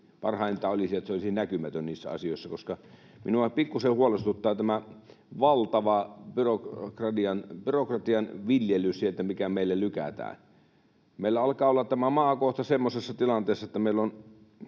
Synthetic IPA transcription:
pɑrhɑˑint̪æolisiet̪seolisinækymæt̪ønniːsːæ̰ɑ̰sijoisːɑkoskɑ | mḭnuɑpikːusehuolest̪ut̪ːɑːt̪æmæ | ʋɑlt̪ɑʋɑpyrokkrɑt̪iɑnpyrokrɑt̪iɑnʋiljelyssielt̪æmikæmeˑilːelykæ̰t̪æ̰ːn | meˑilːæɑlkɑːolːɑt̪t̪æmæmɑːkoht̪ɑsemːosesːɑt̪ilɑnt̪eːsːɑĕt̪ːæmeilːon

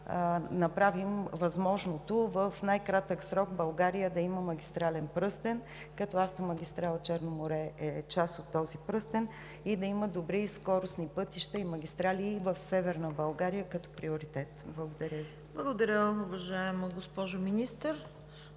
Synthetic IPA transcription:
nɐpɾavimvɐzmɔʒnot̪ovəfnajkɾat̪əksɾɔɡbɐlˠɡaɾijəd̪ɐiməmɐɡʲist̪ɾalɛnpɾɤst̪ɛn | kɐt̪ɔaft̪omɐɡʲist̪ɾalˠt͡ʃɛɾnomoɾɛɛt͡ʃasot̪ːɔzipɾɤst̪ɛn | id̪ɐiməd̪obɾiskɔɾʊsnipɤt̪iʃt̪ɐimɐɡʲist̪ɾaliːvəfsɛvɛɾnəbɐlˠɡaɾijəkɐt̪ɔ̥pɾioɾit̪ɛt̪blˠɐɡod̪ɐɾʲəvi | blˠɐɡod̪ɐɾʲəʊvɐʒaɛmɡospɔʒominist̪əɾ

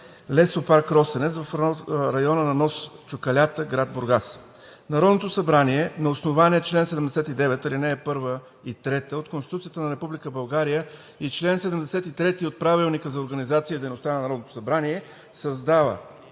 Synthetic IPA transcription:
lɛsopaɾkɾɔst̪ɛnɛt̪svɐfɾɐjɔnənɐnɔst͡ʃʊkɐlʲat̪əɡɾad̪̚boɾɡas | nɐɾɔd̪not̪osɐbɾaniɛnɐosnovaniət͡ʃlɛnsɛd̪ɛmd̪ɛsɛt̪id̪ɛvɛt̪ɐlinɛːpɤɾvə | it̪ɾɛt̪əot̪konst̪it̪ut̪siət̪ənɐɾɛpublikəbɐlˠɡaɾijə | it͡ʃlɛnsɛd̪ɛmd̪ɛsɛt̪it̪ɾɛt̪iot̪̚pɾavilˠnikəzɐoɾɡənizat̪siəd̪ɛjnost̪anɐnɐɾɔd̪not̪o̥sɐbɾaniɛ | sɐzd̪avə̰

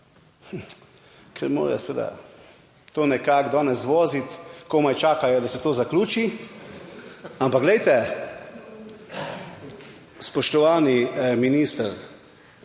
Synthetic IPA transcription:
kʰɛɾmo̰ːɾɛ̰sʋeːd̪a̰ | t̪oːnɛkaɡd̪ɔːnɛsʋoːzit̪komajt͡ʃaːkajɔd̪asɛt̪oːzakluːt͡ʃi | ampaɡlɛjt̪ɛ | spɔʃt̪ɔʋaːniminist̪əɾ

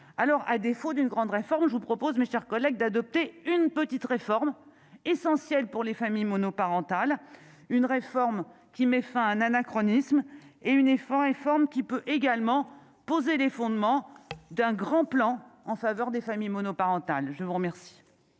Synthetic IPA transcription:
alɔʁʔad̪efod̪ynɡʁɑ̃d̪ʁefɔʁmʒəvupχɔpozmeʃɛʁkɔlɛɡ̚d̪ad̪ɔp̚t̪eynpət̪it̪ʁefɔʁm | esɑ̃sjɛlpuʁlefamijmɔnɔpaʁɑ̃t̪al | ynʁefɔʁm | kʲimɛfɛ̃ɛ̃nanakχɔnismeynefʁefɔʁmkʲipøʔeɡalmɑ̃ | pozelefɔ̃d̪mɑ̃d̪ɛ̃ɡʁɑ̃plɑ̃ɑ̃favœʁd̪efamijmɔnɔpaʁɑ̃t̪alʒəvuʁmɛʁsi̥

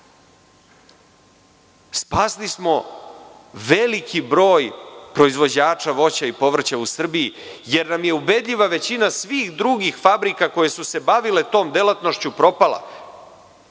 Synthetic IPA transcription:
spaslismo̞ | ʋelikʰibɾo̞ːjpɾo̞izʋo̞d͡ʑaːt͡ʂaʋo̞t͡ɕaipo̞ʋr̩t͡ɕausr̩bijije̞ɾnamje̞ube̞d̪ʎʲiʋaʋe̞t͡ɕinasʋiːxd̪ɾuɡixfabɾikako̞je̞suse̞baʋile̞t̪o̞ːmd̪e̞lat̪no̞ʃt͡ɕupɾo̞pala̰

